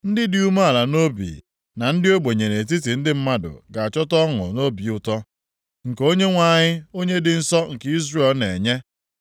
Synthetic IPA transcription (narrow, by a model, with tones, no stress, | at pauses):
n̩˦dɪ˦dɪ˦u˦ma˦a˨la˨no˦bḭ˨ | na˨n̩˦dɪ˦o˦ɡ͡be˨ɲe˨ne˨t̬i˦t̬i˨n̩˦dɪ˦m̩˦ma˦dʊ̰˨ɡa˨a˨t͡ʃɔ˦tɔ˦ŋʊ̰˨no˦bi˨ʊ˦tɔ˦ | ŋ̩˨ko˦ɲe˦ŋʷa˨ɲɪ˦o˦ɲe˦dɪ˨n̩˦sɔ˦ŋ̩˨ki˦zre˦˨lne˨ɲe˦